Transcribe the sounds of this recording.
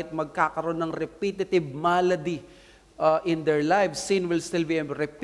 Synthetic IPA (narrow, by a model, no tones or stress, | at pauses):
ɪt̪̚mɐɡ̚kakɐɾo̞nːɐŋɾɛpit̪ɪt̪ɪvmalɐd̪i | ʔɐʔɪ̃nd̪ɛɹlajvsːĩnwɪlst̪ɪlbiɛmɾɛp